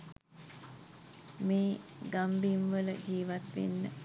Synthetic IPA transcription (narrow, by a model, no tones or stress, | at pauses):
meːɡambimʋələd͡ʒiːʋat̪ʋḛnːə